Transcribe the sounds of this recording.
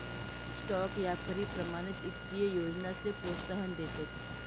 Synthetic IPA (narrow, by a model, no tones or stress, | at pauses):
sʈɔːkjat̪ʰəɾipɾɐmaːñɪt̪ɪt̪ːijəjoːd͡ʒnasepoːst̪əɦənd̪eset̪